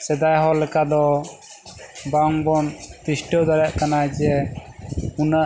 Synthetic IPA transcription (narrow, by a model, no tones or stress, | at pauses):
sɛd̪ajɦɔlɛkad̪ɔ | baŋbɔnt̪isʈəd̪ɔɾaʔkanad͡ʒɛ | unaʔ